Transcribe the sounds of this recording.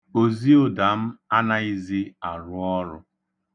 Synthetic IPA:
o˨zi˦o˦da˨m̩˦a˦na˦i˦zi˦a˨ɾʊ˦˨ɔ˦ɾʊ̰˦

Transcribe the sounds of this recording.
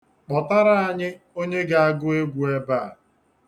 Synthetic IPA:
k͡pɔ˨ta˦ɾa˦a˨ɲɪ˦ | o˦ɲe˦ɡa˨a˦ɡʊ˦e˦ɡʷu˨e˦ba˦˨

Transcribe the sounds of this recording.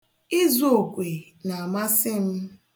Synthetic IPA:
i˦zo˨kʷe˨ | na˨a˨ma˦sɪ˦m̩˦

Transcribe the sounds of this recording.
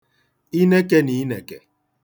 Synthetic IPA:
i˦ne˦ke˦ni˨˦i˦ne˨ke˨

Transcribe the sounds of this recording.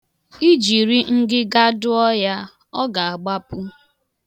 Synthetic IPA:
i˦d͡ʒi˨ɾi˦ŋ̩˦dɪ˦ɡa˦dʊ˦ɔ˦ja˦ | ɔ˦ɡa˨a˨ɡ͡ba˦pʊ˦

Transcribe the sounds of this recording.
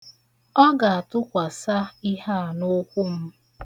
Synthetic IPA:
ɔ˦ɡa˨a˨tʊ˦kʷa˨sa˦i˦ɦa˦˨nʊ˦kʷʊ˦m̩˦

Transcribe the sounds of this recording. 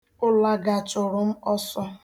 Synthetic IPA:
ʊ˦la˦ɡa˨t͡ʃʊ˨ɾʊ˨m̩˦ɔ˦sɔ˦

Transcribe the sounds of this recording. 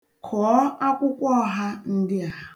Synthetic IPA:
kʰɔː˨˦a˦kʷʊ˦kʷɔ˦ɦa˦n̩˦dɪ˦a˨ɦa˨

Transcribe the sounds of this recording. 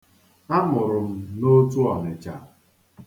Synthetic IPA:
a˦mʊ˨ɾʊ˨m̩˦no˦tu˦ɔ˨me˨t͡ʃa˨

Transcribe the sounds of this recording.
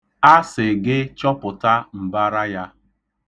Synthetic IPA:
a˦sɪ˨ɡɪ˦t͡ʃɔ˦pʊ˨ta˦m̩˨ba˦ɾa˦ja˦

